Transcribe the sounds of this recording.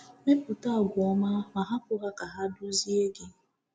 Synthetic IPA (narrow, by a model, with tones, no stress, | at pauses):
me˦pu˨ta˦˨ɡʷʊ˨ɔ˦ma˦ma˨ɦa˦pʊ˦ɦa˦ka˨ɦa˦du˦zi˦e˦ɡɪ˦